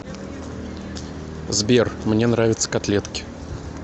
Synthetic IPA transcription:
zbʲermnʲe̞nɾavʲɪt̪sə̥kɐt̪lʲet̪kʲɪ̥

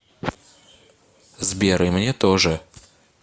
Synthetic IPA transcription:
zbʲeɾɨjmnʲet̪oʐɨ

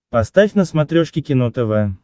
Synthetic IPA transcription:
pɐst̪afʲnəsmɐt̪ɾʲoʂkʲɪkʲɪnot̪ɛvɛ

